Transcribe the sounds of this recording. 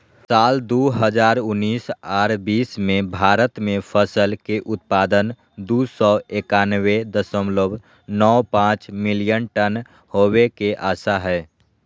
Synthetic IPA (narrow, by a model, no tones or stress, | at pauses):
saːld̪oːɦəd͡ʒaːɾʊnːiːsaːɾbiːsmẽbʱaːɾət̪mẽpʰəsəlkeʔʊt̪̚paːd̪ən | d̪uːsɔːeːkaːnwed̪əsəmlob | nɔːpãːt͡ʃmɪlijənʈən | howekeʔaːsaɦɛː